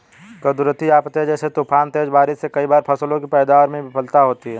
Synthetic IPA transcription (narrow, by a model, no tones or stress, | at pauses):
ɡəd̪ʊɾət̪iaːpt̪eːd͡ʒɛːset̪uːpʰaːnt̪eːd͡ʒbaːɾɪsekɐibaːɾpʰɐslõkipɛːd̪aːʋəɾmẽbɪpʰəlt̪aɦoːt̪iɦɛː